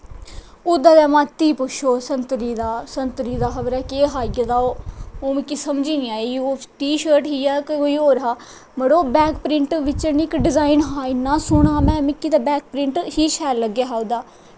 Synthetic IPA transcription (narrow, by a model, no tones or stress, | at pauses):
ʊd̪aːd̪ɛːmãːt̪iːpʊʃʰoːsənt̪ɾiːd̪aːsənt̪ɾiːd̪aːxəbəɾɛːkeːɦaːɡad̪aːoːoːmɪkːiːsəmd͡ʒiːnĩːaːeoːʈiːʃəːɾʈɦiːaːkɦoːiːɦoːɾɦaː | məɽoːbɛːkpɾɪɳʈʋɪt͡ʃənikɖɪzaːɪnɦaːɪnːãːsʊɳaːmɛ̃ːmɪkːiːt̪aːbɛːk̚pɾɪɳʈhiːʃʰɛːlːəɡjaːɦaːud̪aː